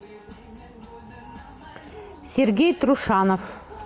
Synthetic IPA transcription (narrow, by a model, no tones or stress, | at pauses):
sʲeɾɡʲejt̪ɾuʂɑnof